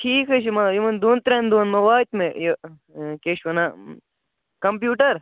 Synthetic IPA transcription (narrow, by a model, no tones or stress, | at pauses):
ʈʰiːkɐʃimɐjimɐnd̪uːnt̪ɾend̪oːnmɐʋaːt̪mejo | keʃʋɐna | kɐmp̬juːʈɐɾ